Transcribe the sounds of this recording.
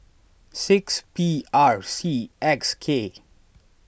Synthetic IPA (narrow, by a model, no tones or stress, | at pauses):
sɪkspiaɹsiɛkskʰe